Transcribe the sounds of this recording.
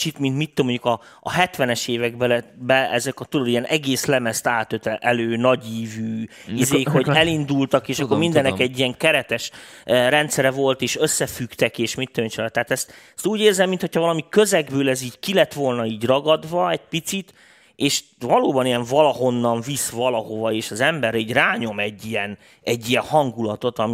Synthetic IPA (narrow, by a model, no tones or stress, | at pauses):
t͡ʃit̪mint̪mit̪ːømoɲɟukɒ̰ː | ɦɛt̪ʋɛnɛʃeːvɛɡ̚bɛlɛbɛɛzɛkɒt̪ulod̪ijɛnʔɛɡeːslɛmɛst̪aːt̪øt̪ɛʔɛløːnɒɟiːvyːizeːkho̞ɟɛlind̪ult̪ɒkeːʃɒkːormind̪ɛnːɛkɛɟːijɛŋkɛɾɛt̪ɛʃɾɛnt̪sɛɾɛvo̞lt̪eːʃøsːɛfykt̪ɛkeːʃmit̪ːømoɲt͡ʃolɛt̪ːaːt̪ɛst̪ | st̪uːɟeːrzɛmːint̪hocʰhɒvɒlɒmikø̞zɛɡbøːlɛziːɟkilɛt̪ʋo̞lnɒiːɟrɒɡɒd̪ʋɒɛc̚pit̪sit̪ | ʔeːʃvɒloːbɒnijɛɱvɒlɒɦo̞nːɒɱvisvɒlɒho̞vɒeːʃɒzɛmbɛɾiːɟraːɲo̞mɛɟːijɛn | ɛɟːijɛnhɒŋɡulɒt̪o̞t̪ɒmi